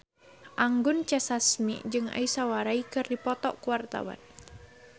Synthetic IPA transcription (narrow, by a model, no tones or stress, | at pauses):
ʔaŋɡʊnt͡ʃɛsasmḭʔd͡ʒɨŋa̰isawaɾaikɨrdipɔt̪ɔʔkuwart̪a̰wa̰n